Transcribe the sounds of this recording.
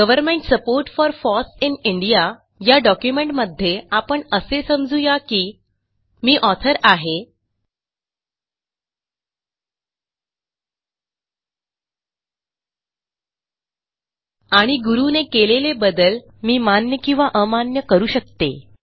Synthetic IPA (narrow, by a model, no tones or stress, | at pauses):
ɡəʋəɾmeɳʈsəpoɾʈfɔɾfɔsiniɳɖija | jaɖɔkjumeɳʈməd̪ʱːjeapəɳəsesəmd͡zujakiː | miːʔɔt̪ʰəɾaɦe | aɽ̃iɡuɾunekelelebəd̪əl | miːmanjəkĩw̃ʋaʔəmanjəkəɾuːɕək̚t̪e